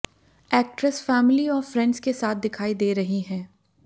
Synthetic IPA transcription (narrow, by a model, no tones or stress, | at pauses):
ɛːk̚ʈɾəsfɛːmɪliɔːɾfɾɛ̃ɳɖzkesaːt̪̚ʰd̪ɪkʰaːid̪eːɾɐɦiɦɛ̃ː